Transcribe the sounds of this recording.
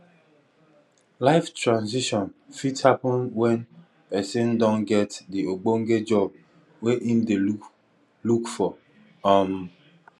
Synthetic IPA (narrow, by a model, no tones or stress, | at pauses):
laɪftɹãnziʃɔ̃nfithapɔ̃nwɛ̃n | pɛsẽndɔ̃nɡɛtdioɡ͡boŋ̩ɡed͡ʒɔb̚ | weʔĩnde | lukfɔ | ɔm